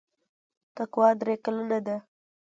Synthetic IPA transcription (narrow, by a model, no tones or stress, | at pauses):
t̪akwɑd̪ɾekalanad̪a